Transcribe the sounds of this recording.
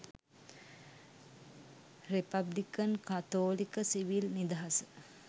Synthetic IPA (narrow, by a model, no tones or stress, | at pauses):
ripablikənkat̪oːlikəsiʋilnid̪aɦasə